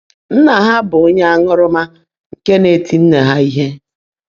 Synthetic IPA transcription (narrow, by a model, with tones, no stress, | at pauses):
n̩˦na˨ɦa˦bʊ˨o˦ɲe˦a˦ŋʊ˦ɾʊ˦ma˦ | ŋ̩˨ke˦ne˨ti˨n̩˦ne˨ɦa˦i˦ɦe˦